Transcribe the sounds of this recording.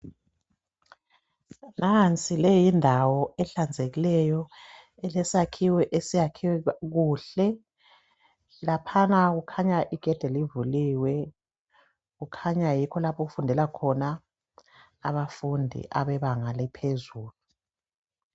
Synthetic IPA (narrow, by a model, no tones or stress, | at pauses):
nant͡sʼilɛjindʱawɔɛɬand͡zʱeɣilɛjɔ | ɛlɛsakʰiwɛʔesijakʰiwɛɣuːɬɛ | lapʰanaɣukʰaɲaʔiɡ̥ʱɛd̥ʱɛlivuliːwɛ | ɣukʰaɲajikʰɔlapʰɔɣufundʱɛlakʰɔna | βafundʱḭʔaβɛβaŋalɛpʰezuːlu